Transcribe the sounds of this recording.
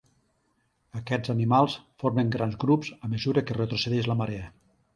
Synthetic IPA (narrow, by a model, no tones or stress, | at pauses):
əkɛd͡zzənimalˠsfoɾməŋɡɾanzɡɾupzəməzuɾəkerət̪ɾuseðɛʒləmaɾeə